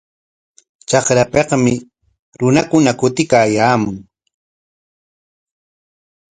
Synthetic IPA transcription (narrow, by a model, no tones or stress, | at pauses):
t͡ʃɑχɾapeqmɪ | ɾʊnakʊnakʊt̪ɪkaːjaːmʊŋ